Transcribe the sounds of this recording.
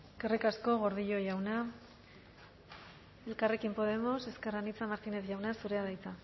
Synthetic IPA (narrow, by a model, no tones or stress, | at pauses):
kerikasko̞ɣo̞ɾð̞iʎo̞ʝawna | e̞lkare̞kimpo̞ð̞e̞mo̞se̞skeranit͡samaɾtine̞θʝawnasuɾe̞aðajt͡sa